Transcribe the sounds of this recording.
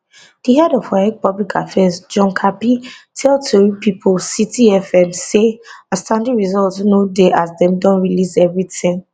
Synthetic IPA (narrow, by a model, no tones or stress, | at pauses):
d̥iɦɛdɔfaɛk̚pɔblikʰafɛzd͡ʒɔ̃nkʰapitʰɛltʰuɹipipʰɔlsitiɛfɛ̃mseastãndĩɹizɔltnodeʔazdɛ̃mdɔ̃nɹilisɛvɹitĩŋ